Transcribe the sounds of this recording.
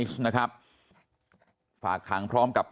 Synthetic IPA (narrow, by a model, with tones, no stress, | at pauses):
i˦˥sna˦˥kʰɾa˦˥p̚ | fa̰ː˨˩kʰːa˨˩˦ŋpʰɾɔː˦˥mka˨˩p̚k